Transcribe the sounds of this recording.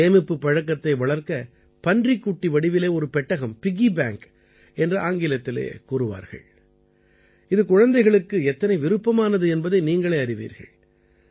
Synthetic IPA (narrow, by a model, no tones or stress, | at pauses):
eːmɪpːɯpːɐɻɐkːɐt̪ːɐɪʋɐɭɐɾkɐ | pɐndrikːuʈːiʋɐɽɪʋɪleːɔɾɯpɛʈːɐɣɐmpɪɣibaːŋk | ɛndrɯʔaːŋɡɪlɐt̪ːɪlḛːkuːɾɯʋa̰ːɾɣɐ̰ɭ | ɪðɯkʊɻɐnd̪ɐɪɣɐɭɯkːɯɛt̪ːɐnɐɪʋɪɾɯpːɐmaːnɐðɯɛnbɐðɐɪniːŋɡɐɭeːɐɾɪʋḭːɾɣɐ̰ɭ